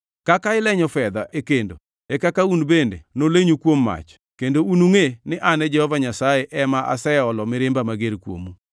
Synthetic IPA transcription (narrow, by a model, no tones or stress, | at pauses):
kakaɪlɛɲɔfɛd̪aʔekendo̰ | ɛkakaunbendenoleɲukwomːa̰t͡ʃ | kendounuŋenɪʔanɛd͡ʒɛhɔvaɲasajeʔɛmaʔa̰sɛɔlɔmɪɾɪmbamaɡeɾkwo̰mu